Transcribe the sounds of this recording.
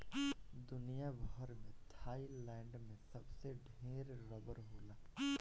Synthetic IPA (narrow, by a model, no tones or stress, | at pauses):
d̪ʊnijabəɦəɾmẽt̪ʰaːilɛ̃ːɳɖmẽsɐbseɖʱeːɾːəbəɾɦoːlaː